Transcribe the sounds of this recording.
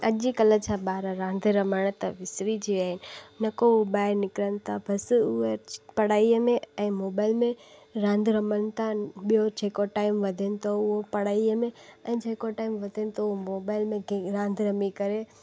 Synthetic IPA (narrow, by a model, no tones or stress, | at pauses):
ɐʄikɐlət͡ɕʰaɓaːɾaɾãːnd̪ʱɾɐməɽ̃t̪ɐʋɪsɾid͡ʑiaːɦɪnɪ̆nɐkouɓaːɪɾnɪkɾənɪ̆t̪ʰabʱɐsʊepɐɽ̤aːiəmẽɛ̃ːmoːbaːɪlmẽɾãːnd̪ʱɾɐməɽ̃nɪ̆t̪ʰaɓijod͡ʑeːkoʈaːɪmʋɐd̪ʱənɪ̆t̪ʰoʊɦopɐɽaːiəmẽɛ̃ːd͡ʒʱeːkoʈaːɪmʋɐd̪ʱənɪ̆t̪ʰoɦomoːbaːɪlmẽɡɾãːnd̪ʱɾɐmikɐɾe